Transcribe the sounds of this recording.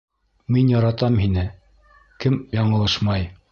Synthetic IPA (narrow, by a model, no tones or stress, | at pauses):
minjɑɾɑt̪ɑmhinɘ | kɘmjɑɴɤ̆lˠɤʃmɑj